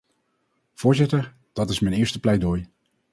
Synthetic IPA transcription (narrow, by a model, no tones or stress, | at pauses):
v̥ʊːɹzɪtəɹ | d̥ɑtɪsmɛjnɪːɹstəplɛjdoj